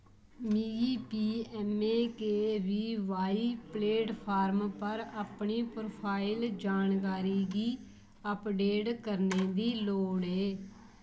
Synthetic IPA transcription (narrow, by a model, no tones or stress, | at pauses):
miːiːpiːɛːmeːkeːʋiːʋaːiːpleːʈpʰaːɾmpəɾəpɳiːpɾoːpʰaːild͡ʒaːnkaːɾiːɡiː | əpɖeːʈkəɾneːd̪iːloːɽeː